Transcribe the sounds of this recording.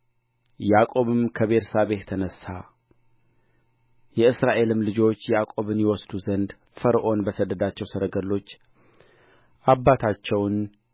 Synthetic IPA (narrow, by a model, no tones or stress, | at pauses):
jakʼo̞βɨmkʰəβe̞ɾsaβe̞t̪ʰːənəsːa̰ | jɛɨsɾaʔe̞lɨmlɨd͡ʒo̞t͡ʃːjjakʼo̞βɨnjɛwɔsd̪uzənd̪ | fəɾʔo̞nbəsəd̪ːəd̪at͡ʃːɛwsəɾəɡəlːo̞t͡ʃː | ʔabːat̪ʰat͡ʃːɛwn